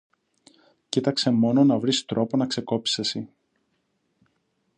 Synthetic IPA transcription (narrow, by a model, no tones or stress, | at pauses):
cit̪ɐkse̞mo̞no̞nɐvɾist̪ɾo̞po̞nɐkse̞ko̞psesi